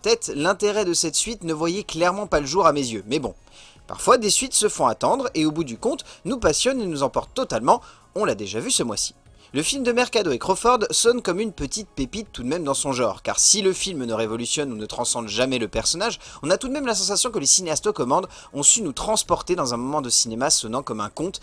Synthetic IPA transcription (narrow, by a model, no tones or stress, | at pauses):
t̪ɛt̪lɛ̃t̪eʁɛd̪əsɛt̪sɥit̪nəvwajɛklɛʁmɑ̃paləʒuʁamezjømɛbɔ̃ | pa̰ʁfwad̪esɥit̪səfɔ̃at̪ɑ̃d̪ʁeobud̪ykɔ̃t̪nupasjɔnenuzɑ̃pɔʁt̪ːɔt̪almɑ̃ | ɔ̃lad̪eʒavysəmwa̰si̥ | ləfilmd̪əmɛʁkad̪oekχɔfɔʁd̪sɔnkɔmynpət̪it̪̚pepit̪ːud̪mɛmd̪ɑ̃sɔ̃ʒɑ̰̃ʁka̰ʁsiləfilmnəʁevɔlysjɔnunət̪χɑ̃sɑ̃d̪ʒamɛləpɛʁsɔnaʒɔ̃nat̪ud̪mɛmlasɑ̃s̬asjɔ̃kəlesineast̪okɔmɑ̃d̪ | ɔ̃synut̪χɑ̃spɔʁt̪ed̪ɑ̃zɛ̃mɔmɑ̃d̪əsinemasɔnɑ̃kɔmɛ̰̃kɔ̃t̪